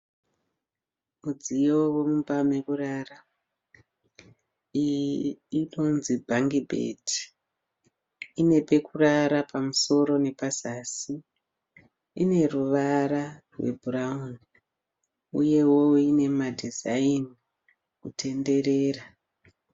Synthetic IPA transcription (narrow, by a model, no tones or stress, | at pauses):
mud͡zijo̞wemumbamekurara | i | ino̞nzibʱaŋɡibʱḛtʰi̥ | ine̞pe̞kuraɾapʰamuso̞ɾo̞nepasasi | ne̞ruʋaɾarwe̞̰bʱurauni | uje̞wo̞ine̞madʱizaini | kutʰe̞nde̞ɾe̞ːra